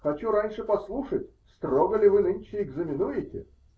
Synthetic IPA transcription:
xɐt͡ɕuɾanʲʂɨpɐslˠuʂətʲ | st̪ɾoɡəlʲɪvɨnɨnʲt͡ɕɪɪɡzəmʲɪnujɪtʲɪ̰

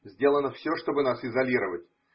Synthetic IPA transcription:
zʲdʲelˠənəfsʲoʂt̪o̞bɨnasɪzɐlʲiɾəvətʲ

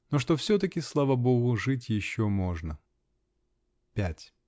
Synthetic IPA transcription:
noʂt̪ofsʲɵt̪əkʲɪslˠavəboɣʊʐɨtʲjɪɕːomo̞ʐnə | pʲætʲ

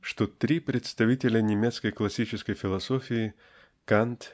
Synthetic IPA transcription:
ʂt̪ot̪ɾʲipɾʲɪt̪st̪ɐvʲitʲɪlʲənʲɪmʲet̪skəjklˠɐsʲit͡ɕɪskəjfʲɪlˠɐsofʲɪɪ | kant̪

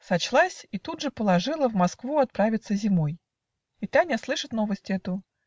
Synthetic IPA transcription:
sɐt͡ɕlˠasʲit̪ud̪ʐɨpəlˠɐʐɨlˠəvmɐskvuɐt̪̚pɾavʲɪt̪səzʲɪmoj | ɪt̪anʲaslˠɨʂɨt̪novəsʲtʲɛt̪ʊ

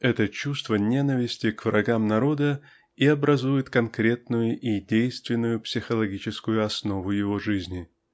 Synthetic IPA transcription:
ɛt̪ət͡ɕust̪vənʲenəvʲɪsʲtʲɪkvɾʔɐɡamnɐɾo̞d̪ə | iɐbɾɐzujɪt̪kɐnkɾʲe̞t̪̚nʊjʊʔidʲejst̪vʲɪnːʊjʊpsʲɪxəlˠɐɡʲit͡ɕɪskʊjʊɐsno̞vʊjɪvoʐɨzʲnʲɪ

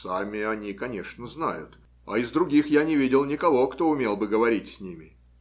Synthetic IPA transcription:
samʲɪɐnʲikɐnʲe̞ʂnəzna̰jʊ̰t̪ | ɐ̰ɪzd̪ɾʊɡʲixjanʲɪvʲidʲɪlˠnʲɪkɐvo̞kt̪o̞ʊmʲelˠbɨɡəvɐɾʲitʲsʲnʲimʲɪ

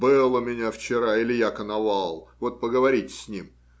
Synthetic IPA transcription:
bɨlˠəmʲɪnʲaft͡ɕɪɾailʲɪjakənɐvalˠvot̪̚pəɡəvɐɾʲitʲsʲnʲim

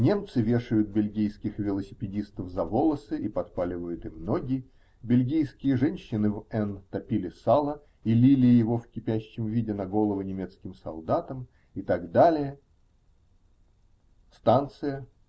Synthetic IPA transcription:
nʲe̞mt̪sɨvʲe̞ʂɨjʊt̪̚bʲɪlʲɡʲijskʲɪxvʲɪlˠəsʲɪpʲɪdʲist̪əfzɐvo̞lˠəsɨʔipɐt̪palʲɪvəjʊt̪ɪmno̞ɡʲɪ | bʲɪlʲɡʲijskʲɪjəʐɛnʲɕːɪnɨvɛnt̪ɐpʲilʲɪsalˠə | ilʲilʲɪjɪvo̞fkʲɪpʲæɕːɪmvʲidʲɪnɐɡo̞lˠəvʊnʲɪmʲe̞t̪skʲɪmsɐ̰lˠd̪at̪əm | ɪt̪aɡd̪alʲɪjə | st̪ant̪sɨjə

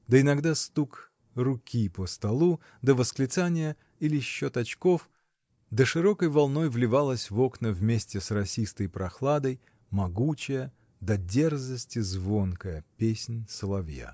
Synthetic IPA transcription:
d̪əɪnɐɡd̪ast̪uk | rʊkʲipəst̪ɐlˠu | d̪əvəsklʲɪt̪sanʲɪjə | ilʲɪɕːo̞t̪ɐt͡ɕko̞f | d̪əʂɨɾo̞kəjvɐlˠno̞jvlʲɪvalˠəsʲvo̞knəvmʲesʲtʲɪsrɐsʲist̪əjpɾɐxlˠad̪əj | mɐɡut͡ɕɪjə | d̪ɐdʲe̞rzəsʲtʲɪzvo̞nkəjəpʲesʲnʲsəlˠɐvja̰

